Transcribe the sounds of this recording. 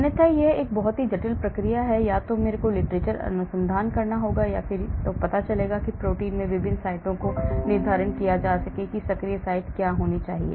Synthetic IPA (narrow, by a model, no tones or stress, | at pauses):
nət̪ʰajeeːk̚bɐɦʊt̪ɦid͡ʒɐʈɪlpɾɐkɾijaɦɛjaːt̪omeːɾekolɪʈɾeːt͡ʃəɾɐ̰nʊsə̃nd̪ʱaːnkɐɾnaɦoːɡajafɪɾt̪opɐt̪at͡ʃɐleːɡakipɾoːʈiːnmẽʋɪbʱɪnsaːɪʈõkonɪɾd̪ʱaːɾənkijad͡ʒaːsɐkekisɐkɾijəsaːɪʈkjaːɦoːnit͡ʃa̰ːɦḭḛː